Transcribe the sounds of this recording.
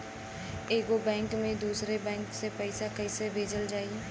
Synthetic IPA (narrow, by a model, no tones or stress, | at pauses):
eːɡobɛ̃ːŋkmẽd̪uːsɾebɛ̃ːŋksepɛɪsakɐɪsebʱeːd͡ʒəld͡ʒaːi